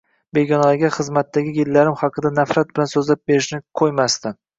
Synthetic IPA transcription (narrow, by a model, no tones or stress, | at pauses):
be̞ɡʲɒnalaɡʲaχɨzmat̪ʰːaɡʲɪjɪlːaɾɪmχɑqʰɨd̪anafɾat̪̚b̥ɪlansɵzlap̚be̞ɾɪʃnɪkʰojmast̪ɪ